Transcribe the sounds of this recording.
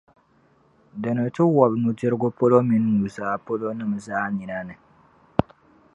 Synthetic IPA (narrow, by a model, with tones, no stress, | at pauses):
dɨ˨nɨ˨tɨ˦wɔ˨bnu˨d͡ʒɪ˦ɾɡʊ˦po˦lo˦mɪ˦nː˦u˨zaː˦˨po˦lo˦nɨ˦˨m˨zaː˦ɲi˨na˦nɨ˨